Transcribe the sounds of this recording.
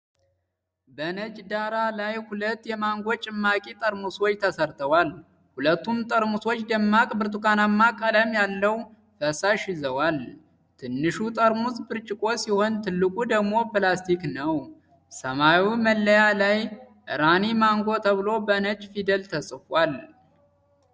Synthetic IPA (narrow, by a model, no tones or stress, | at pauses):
bənət͡ʃʼd̪aɾalajhulət̪ːjɛmaŋɡo̞t͡ʃʼɪmːakʼit̪ʼəɾmuswo̞t͡ʃːt̪ʰəsəɾt̪ʰəwal | hulət̪ːumt̪ʼəɾmuswo̞t͡ʃːd̪əmːakʼɨbɨɾt̪ukanamːakʼələmjalːəw | fəsaʃizəwal | t̪ʰɨnːɨʃut̪ʼəɾmusbɨɾt͡ʃʼɪkʼo̞siho̞nt̪ʰɨlːɨkʼud̪əɡmo̞pɨlast̪ʰiknəw | səmawiməlːəjalaj | ʔɨ̰ɾanimaŋɡo̞t̪ʰəβɨlo̞bənət͡ʃfid̪əlt̪ʰəsʼɨfwal